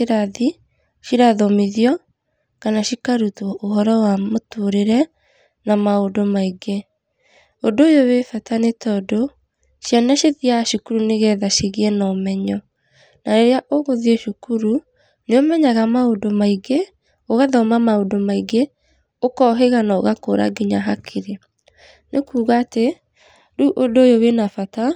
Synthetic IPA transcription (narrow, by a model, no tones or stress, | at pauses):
eɾaði | ʃiɾaðɔmiðiɔ | kanaʃikaɾutwɔʔoɦɔɾɔwamotoɾeɾɛ | namaodomaiɡe | ondoːjowefatanetɔdo | ʃjanaʃeðiaʃukuɾuneɣɛðaʃiɣiɛnɔmɛɲɔ | naɾeɾeaʔoɣoðieʃukuɾu | neomɛɲaɣamaodomaiɡe | oɣaðɔmamaodomaiɡe | okɔɦeɣanaoɣakoɾa̰ɡiɲaɦakʰiɾe | nekuːɣaːte | ɾuʔodojowenafata